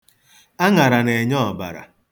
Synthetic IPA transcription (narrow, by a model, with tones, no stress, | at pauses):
a˦ŋa˨ɾa˨ne˨ɲɔ˦ɔ˨ba̰˨ɾa̰˨